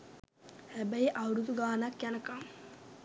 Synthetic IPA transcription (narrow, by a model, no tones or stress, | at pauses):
hæbəjeʔawɾud̪uɡaːnakjanəkam